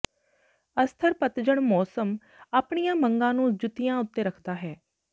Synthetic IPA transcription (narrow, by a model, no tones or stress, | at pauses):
əst̪ʰəɾpət̪d͡ʒəɳmɔːsəm | aːpɳijãːməŋɡãːnũːd͡ʒʊt̪ijãːʊt̪ːeːɾəkʰd̪aːɦɛː